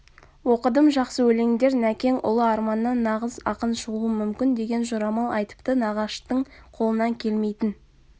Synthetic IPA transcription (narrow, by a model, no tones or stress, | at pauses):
woqəd̪əmʒɑqsəwɵle̞ŋd̪e̞ɾnækʲe̞ŋʔʊ̰lˠəɑɾmɑnːɑnːɑʁəzɑ̰qənʃəʁuəmʏmkʲɪnd̪e̞ɡʲe̞nʒʊɾɑmɑlˠɑjt̪ə̥pt̪ənɑʁɑʃt̪əɴqʰo̞lˠənɑŋkʲʰe̞lme̞jt̪ɪn